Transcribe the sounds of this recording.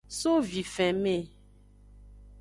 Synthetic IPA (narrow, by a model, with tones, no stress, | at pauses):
so˦vi˨fɛ̃˨mẽ˦˨